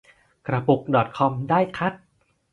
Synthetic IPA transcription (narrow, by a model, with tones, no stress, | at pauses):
kɾa˧pu˨˩k̚dɔ˨˩t̪̚kʰɔ˧mdaː˥˩jkʰa˦˥t̪̚